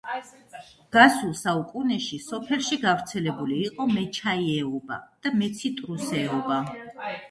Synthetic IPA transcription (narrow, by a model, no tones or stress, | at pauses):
ɡ̥asulˠsaukʼunɛʃisɔpʰɛlˠʃiɡavɾt̪sʰɛlɛbuliːqʼɔmɛt͡ʃʰaiɛɔba̰d̪̥amɛt̪sʰit̪ʼɾusɛɔba